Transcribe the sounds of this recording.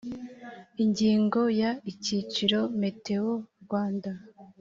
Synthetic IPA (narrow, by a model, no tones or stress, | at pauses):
iɲɟiːŋɡo̞jaicit͡ʃiɾo̞me̞te̞oɾɡwaːnda